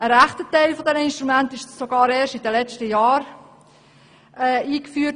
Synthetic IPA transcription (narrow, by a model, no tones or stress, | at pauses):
əɾæχtətɛɪlfɔdɛnəɪnʃtɾumæntɪʃsoɡɑːɾeːʃtidəlɛt͡ʃtəjɑːɾ | ɛːiːkfyːt